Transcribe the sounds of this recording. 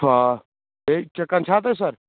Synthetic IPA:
a | et͡ʃɐkːant͡ʃʰaːt̪̬es̬ɐɾ

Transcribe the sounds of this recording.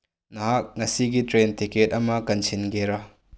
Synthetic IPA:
nɐɦak̚ŋɐsiɡitɾentiket̚ɐmɐkɐnsʰinɡeɾɐ

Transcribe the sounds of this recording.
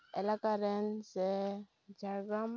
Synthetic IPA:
ɛlakaɾense | d͡ʒʱaɡam

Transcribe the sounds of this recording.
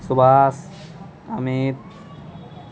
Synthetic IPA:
subaːs | ɐmit̪̚

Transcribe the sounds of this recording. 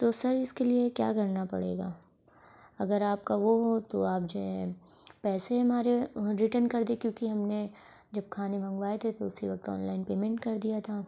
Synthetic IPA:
t̪oːsɐɾɪskeliekja̰ːɡɐɾnapɐ̰ɽḛːɡa̰ː | ɐɡəɾaːp̚kaʋoɦot̪oaːp̚d͡ʒoɛ̃pɛːseɦɐmaːɾeɾɪʈənkɐɾd̪ẽkjõːkiɦɐmne | d͡ʒɐb̚kʰaːnebʱɐ̃ŋɡʋaːet̪ʰet̪oʊsiʋɐk̚t̪ɔ̰ːnlaːɪnpeːmɛ̃ɳʈkɐɾd̪ijat̪ʰaː

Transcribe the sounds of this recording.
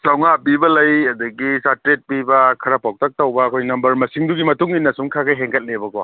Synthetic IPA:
sawŋapibɐlɐjɐduɡisatɾet̚pibɐkʰɐɾapaw̚tʰɐk̚tɐwbɐɐkʰojnɐmbɐɾmɐsiŋduɡimɐtuŋinːɐsuŋkʰakajɦeŋkɐt̚lebɐko

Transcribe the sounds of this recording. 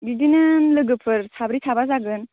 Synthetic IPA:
ɡidinɯnlɯɡɯpʰɯɾsʰabɾitʰabazaɡɯn

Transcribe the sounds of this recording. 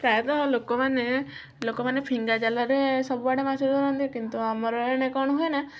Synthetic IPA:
pɾajɔt̪nɔɦɔlokɔmane | lokɔmanepʰiŋɡad͡ʒalaɾesɔbubaɽemasid̪ʱɔɾɔnd̪iekint̪uamɔɾɔnekɔɽ̃ɔɦuena

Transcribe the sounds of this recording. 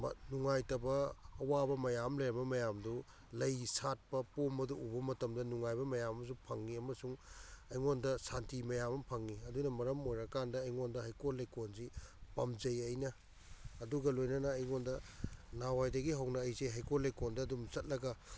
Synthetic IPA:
mɐnuŋajtɐbɐːwabɐmɐjamlɐjɾɐbɐmɐjamdu | lɐjsat̚pɐpomɐduubɐmɐtɐmdɐnuŋajbɐmɐjamɐms̬upʰɐŋːiɐmɐsuŋɐjŋondɐsantimɐjamɐmpʰɐŋːiɐdunɐmɐɾɐmojɾɐkandɐːjŋondɐɦɐjkolejkonzipɐmzɐjɐjnɐː | duɡɐlojnɐnɐːjŋondɐnawajdɐɡiɦɐwnɐːjzeɦɐjkolɐjkondɐːdumt͡ʃɐt̚lɐɡɐ

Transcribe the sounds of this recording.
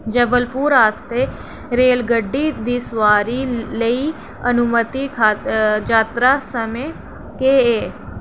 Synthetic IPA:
d͡ʒəʋəlpuːɾaːst̪eː | ɾeːlɡəɖːiːd̪iːsʋaːɾiːləiː | ənʊmət̪iːkʰaːd͡ʒaːt̪ɾaːsəmẽː | keːeː

